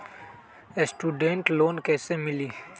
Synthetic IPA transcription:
esʈuːɖẽɳʈloːnkɛːsemɪliː

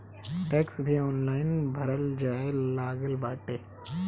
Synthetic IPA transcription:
ʈeːksbʱiɔːnlaːɪnbʱɐɾəld͡ʒaːelaːɡəlbaːʈeː

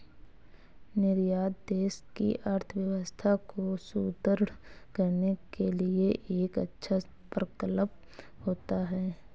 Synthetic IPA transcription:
nɪɾjaːd̪d̪eːskḭʔəɾt̪ʰəʋjəʋəst̪ʰakosuːd̪əɾɽkəɾnekelieʔeːkə̰tːʃʰa | pɾəkələp̚ | hoːt̪aɦɛː

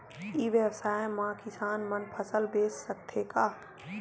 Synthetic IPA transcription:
iʋjəwsaːjmãkɪsaːnmənpʰəsəlbeːsːək̚t̪ʰekaː

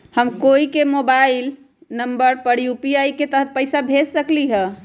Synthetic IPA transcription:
həmkoikemobail | nəmbəɾpəɽjupiaiket̪əɦət̪̚pəɪsabʱessəkliɦə̃

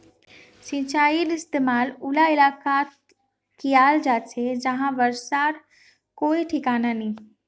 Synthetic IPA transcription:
sĩt͡ʃaːilɪst̪emaːlulaɪlaːkat̪ | kijaːld͡ʒaːt͡ʃʰed͡ʒəɦãʋəɾsaːɾ | koːiʈʰɪkaːnanĩ

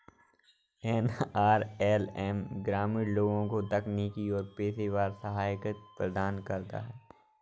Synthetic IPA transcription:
ɛːnaːɾɛːlɛːmɡɾaːmɪɽloːɡõkot̪ɐkniːkiɔːɾpeːseʋaːɾsɐɦaːjɪkət̪̚pɾɐd̪aːnkɐɾt̪a̰ɦɛː

